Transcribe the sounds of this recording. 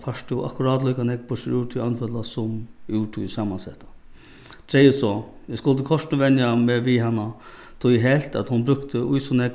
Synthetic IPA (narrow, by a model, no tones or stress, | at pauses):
faʂʈ̪jʊa̰kʊɾɑːd̪lujkanɛkpʊʂɪɾuːʈ̪ʰʊanfɛlasʊmʉːʈʰʊjsɑːmansɛht̪a | t̪ʰɾɛjəsɔjɛskʊlt̪əkʰɔʂʈnəʋɛnjamɛʋɪɦanːa | t̪ʰʊjɦɛlt̪a̰t̪hʊnbɾʏkt̪əʊjsɔnɛk